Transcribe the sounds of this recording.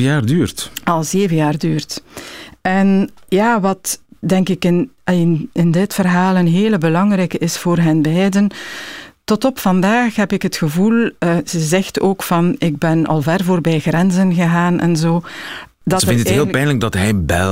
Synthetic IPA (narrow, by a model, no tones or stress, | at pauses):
jaːrdyːrtɑlˠzeːvənjaːrdyːrt | ɛnjaːʋɑtdɛŋkɪkɪnɪnɪndɪtfərɦaːlˠənɦeːləbəlɑŋrɛjkəʔɪsfoːrɦənbɛjdən | tɔtɔpfɑndaːxɦɛpɪkɦətxəvulˠəz̥əzɛxtoːkfɑnɪɡ̚bɛnɑ̰lˠvɛrvoːrbɛːjɣrɛnzənɣəɣaːnʔɛ̰nzoː | dɑzəɪndəətːeːlpɛjnləɡ̚dɑtɦɛjbɛ̰